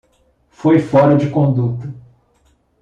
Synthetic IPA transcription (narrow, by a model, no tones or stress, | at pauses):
fojfɔɾɐd͡ʒɪkõd̪ut̪ɐ